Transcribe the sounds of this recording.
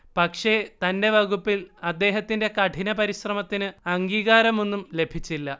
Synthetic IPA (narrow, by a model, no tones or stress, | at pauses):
pɐkʂe̞t̪ɐnde̞ʋɐɣupːilɐd̪ːe̞ːɦɐt̪ːinde̞kɐʈʰinɐpɐɾiɕrɐmɐt̪ːinɨɐŋɡiːɣaːɾɐmo̞nːumle̞bʱit͡ɕːilːɐ